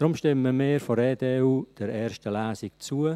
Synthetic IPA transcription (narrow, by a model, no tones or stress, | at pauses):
d̥ɾʊmʃtɪməmeːɾfɔɾeːdeːuːd̥ɛɾɛːrʃtəlæːsɪkt͡suə